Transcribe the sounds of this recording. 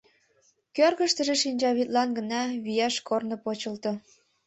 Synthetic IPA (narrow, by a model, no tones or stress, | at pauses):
kørɣə̆ʃt̪ə̆ʒĕʃinʲd͡ʑɑβit̪lɑnɡə̆nɑβyjæʃkornopot͡ɕə̆lt̪ɤ̆